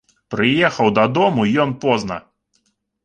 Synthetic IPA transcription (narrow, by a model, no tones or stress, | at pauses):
pɾɪjɛxɐwd̪ɐd̪ɔmuijɔnpɔznɐ̰